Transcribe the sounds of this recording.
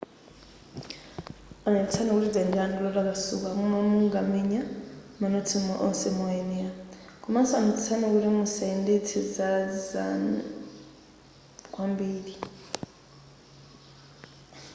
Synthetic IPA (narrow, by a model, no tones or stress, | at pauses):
anɛut͡sʰanɛkuɾid͡zandiandulɔlakasṵkakumanuŋɡamɛɲamanotʰimɔʔɔnsɛmɔɛnɛakʰumansamut͡sʰanɛkuɾimusaindetʰizad͡za̰n | kʼwambiːɺi